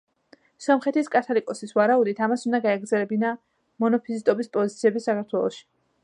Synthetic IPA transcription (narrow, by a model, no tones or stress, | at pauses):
sɔmχɛt̪ʰiskʼat̪ʰɔlikʼɔsisvaɾaud̪it̪ʰamasund̪aɡaɛɡɾd̪zɛlɛbina | mɔnɔpʰizist̪ʼɔbispʼɔzit̪sʰiɛbisakʰaɾt̪ʰwɛlˠɔ̰ʃi̥